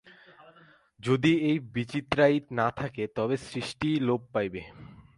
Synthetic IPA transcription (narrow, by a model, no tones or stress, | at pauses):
d͡ʑod̪iejbit͡ɕit̪ɾait̪nat̪ʰaket̪ɔbesɾiʃʈilob̚pːajbe